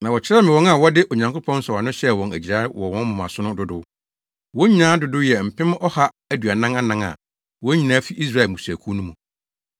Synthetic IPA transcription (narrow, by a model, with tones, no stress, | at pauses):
nã˨wɔ˨t͡ɕʰɪ˦ɾɛ˦mɪ̃˨wɔ̃˦na˨wɔ˦dɪ˦ʔo˨ɲã˨ŋkʰʊ˦pʰɔ̃˦n̩˦sɔ˨a˨nʊ̃˦ɕɛ˦˨wɔ̃˨næ̰˨d͡ʑi˨a˦ɪ˦wɔ˨wɔ̃˦mʊ̃˨m˨a̰˨sʊ˦nʊ̃˦dʊ˦dʊ˦ | wɔ̃˦ɲĩ˦nãː˦dʊ˨˦dʊ˦jɛ˨m̩˨pʰɪ̃˦mɔ˦ha˦ | æ˦du˨a˨nã˦ŋa˦nã˦ŋa̰˨ | wɔ̃˦ɲĩ˨nã˨˦fi˦ʔi˦s̬ɾa˦ɛ˨mũ˨su˨æ˨kʰu˦nũ˦mũ˨